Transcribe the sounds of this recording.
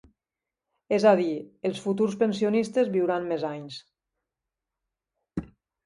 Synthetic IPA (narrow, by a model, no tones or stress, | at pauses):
ezaðielˠsfut̪uɾspensionist̪ezβiwɾammezaɲs